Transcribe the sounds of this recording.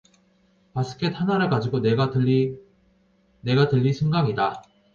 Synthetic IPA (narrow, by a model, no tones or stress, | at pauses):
pas͈ʰɯ̥kʰe̞t̚hanaɾɯɭkad͡ʑiɡoneɡa | ne̞ɡatɯʎːisʰɯŋɡaŋida